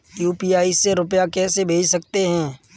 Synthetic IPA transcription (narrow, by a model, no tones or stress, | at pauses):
juːpiːaːiseɾʊpjakɛːsebʱeːd͡ʒsəkt̪eɦɛ̃ː